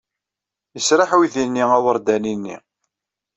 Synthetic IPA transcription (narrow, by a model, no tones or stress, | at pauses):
jəsɾaħwiðinːiæwəɾˤd̪æninːḭ